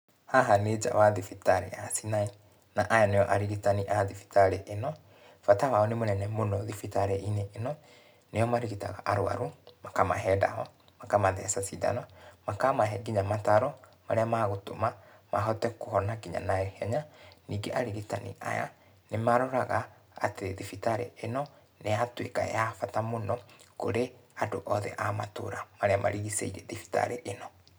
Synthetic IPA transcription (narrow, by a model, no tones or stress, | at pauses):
haɦaned͡ʒa̰waðifitaɾḛasinai | naʔajanejɔʔaɾiɣitaniʔaðifi̥taɾeʔenɔ | fatawaɔnemonɛnɛmonɔðifitaɾeʔineʔːnɔ | nejɔmaɾiɣita̰ɣa̰ʔaɾoa̰ɾumakama̰ɦɛda̰hɔ | makamaðɛ̰sasida̰nɔmakamaɦɛɡiɲamataɾɔ | maɾeamaɣotoma | maɦɔtɛkohɔnaɡiɲa̰naɛhɛɲaniːɡeʔaɾeɣetanḭʔa̰ja̰ | nemaɾɔɾaɣa | a̰teðifitaɾḛenɔ | neatweka̰jafatamonɔkoɾeadoʔɔðɛ̰ʔamato̰ːɾamaɾeamʔa̰ɾiɣisḛiɾɛðifi̥ta̰ɾeʔenɔ